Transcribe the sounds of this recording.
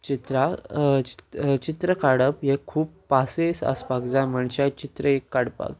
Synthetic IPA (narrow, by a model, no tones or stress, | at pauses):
t͡ɕit̪ɾai̥t͡ɕit̪ɾəkaɽəpjekʰuːpːasesə̰spakd͡zajm̤əɳt͡ɕat͡ɕit̪ɾəekːaɽpa̰k